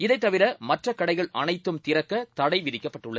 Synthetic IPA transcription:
ɪðɐɪt̪ːɐʋɪɾɐmɐʈrɐkɐɽɐɪɣɐɭʔɐnɐɪt̪ːɯmt̪ɪɾɐkːɐt̪ɐɽɐɪʋɪðɪkːɐpːɐʈːɯɭɐð

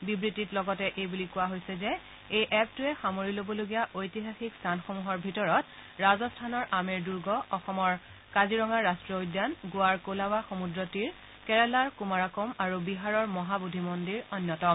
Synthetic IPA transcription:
bibɹititlɔɡɔtɛʔejbulikʊwaɦojsɛzɛ | ejʔɛp̚tʊɛxamoɹilobɔloɡijaʔojtiɦaxikstʰanxomuɦɔɹbʱitɔɹɔt | ɹazɔstʰanɔɹʔamɛɹduɹɡɔɔxɔmɔɹ | kaziɹɔŋaɹːastɹɔojdanɡʊaɹkolawaxomudɹɔtiɹ | kɛɹɛlaɹkumaɹakɔmaɹubiɦaɹɔɹmɔɦabudʱimɔndiɹɔnjɔtɔ

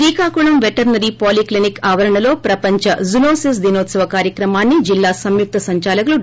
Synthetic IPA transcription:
ɾiːkaːkuɳɐmʋeʈɐɾnɐɾipoːliklinikaːʋɐɾɐɳɐlo̞ːpɾɐpɐɲt͡ʃɐzunoːsisd̪inoːt̪sɐʋɐkaːɾjɐkɾɐmaːnːid͡ʒilːaːsɐmjuk̚t̪ɐsɐɲt͡ʃaːlɐkɐlu

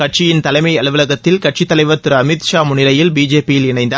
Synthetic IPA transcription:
kɐʈ̚t͡ʃɪjɪnt̪ɐlɐɪmɐɪɐlɯʋɯlɐɣɐt̪ːɪlkɐʈ̚t͡ʃɪt̪ːɐlɐɪʋɐt̪ːɪɾɐɐmɪt̪ʃaːmʊɳɪɾɐjɪlbiːd͡ʒeːpijɪlɪɳɐɪnd̪ɐ

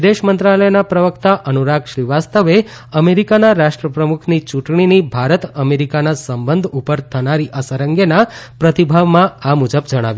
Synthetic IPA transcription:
d̪eʃmənt̪ɾaləjnapɾəʋəkt̪aʔənuɾaɡʃɾiʋast̪əʋe | əmeɾikanaɾaʃʈɾəpɾəmukʰnit͡ʃuʈɳ̃inibʱaɾət̪əmeɾikanasəmbənd̪ʱupəɾt̪ʰənaɾiʔəsəɾəŋɡenapɾət̪ibʱaʋmãamud͡ʒəbd͡ʒəɽ̃a̰ʋju

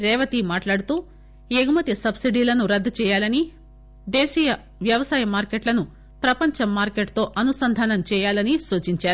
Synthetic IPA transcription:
ɾɛːʋɐt̪imaːʈlaːɽut̪uː | eːɡumɐt̪isɐbsiɖiːlɐnuɾɐd̪ːut͡ʃɛːjaːlɐni | d̪ɛːʃiːjɐ | ʋjɐʋɐsaːjɐmaːɾkeʈlɐnu | pɾɐpɐɲt͡ʃɐmːaːɾkeʈt̪o̞ːʔɐnusɐnd̪ʱaːnɐmt͡ʃɛːjaːlɐnisuːt͡ʃiɲt͡ʃaːɾu

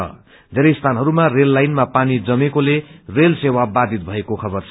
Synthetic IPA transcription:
ʌ̰ | d̪ʱeɾʌjst̪ʰanɦʌɾumarelːajnmapanid͡zʌmekolerelsewabad̪ʱit̪̚bʱʌekokʰʌbʌrt͡sʰ

